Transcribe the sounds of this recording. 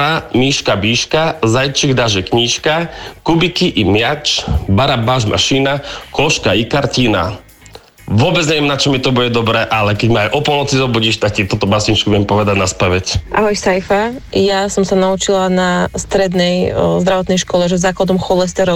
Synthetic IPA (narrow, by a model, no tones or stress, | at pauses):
amiːʃkabiːʃkazajt͡ʃiɣd̪aʒɛkɲiːʃkakubikiʔimɪat͡ʃbaɾabaʒma̰ʃinakɔʃkaikaɾciːna̰ | ʋʊɔbɛd͡zɲɛʋɛmnat͡ʃɔmit̪ɔbuɟɛd̪ɔbɾɛːʔalɛkɛɟmaajʔɔpɔlˠnɔt͡sizɔbuɟiːʃt̪ak̚cit̪ut̪ɔbasiɲt͡ʃkubʊɪjɛmpɔʋɛd̪aɟnaspɛʋɛcʔaɦɔjsajfajasɔmsanaut͡ʃilanast̪ɾɛd̪nɛjzd̪ɾaʋɔt̪nɛjʃkɔlɛʒɛzaːklad̪ɔmxɔlɛst̪ɛɾɔ